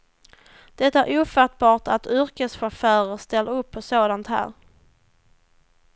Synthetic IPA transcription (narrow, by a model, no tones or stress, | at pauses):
d̪̥ɛt̪ːaæɾʔuːfat̪̚bɑːʈat̪ʏɾkəsɧafœːɾəɾst̪ɛlːaɵpʰːɔsoːd̪ant̪hæ̰ːɾ